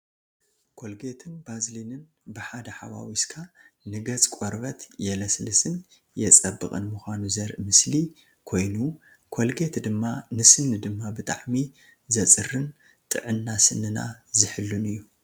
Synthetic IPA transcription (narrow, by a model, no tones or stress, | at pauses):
kʰo̞lɡe̞t̪ʰɨnbazlinɨn | bɨħad̪ɐħawa̰wiskʰa | nɨɡɐt͡sʼkʼoɾβɐt̪jɛlɐslɨsɨn | jɛt͡sʼɐbːɨkʼɨ̰nmuxʷanuzɐɾʔmɨsli | kʰo̞jnu | kʰo̞lɡe̞t̪d̪ɨmːanɨsɨnːɨd̪ɨmːabɨt̪ʼa̰ʕmi | zɐt͡sʼɨrɨn | t̪ʼɨ̰ʕɨnːasɨnːɨna̰zɨħɨlːunɨjːu